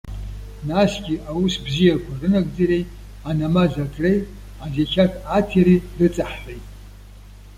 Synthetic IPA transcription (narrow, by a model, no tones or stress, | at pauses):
nasɡʲiʔawusbzijakʷʰarɨnaɡʼd͡zaɾej | anamazatʰʼrej | azakʲʰatʰʼatʰeɾirɨt͡sʼaħħʷejtʼ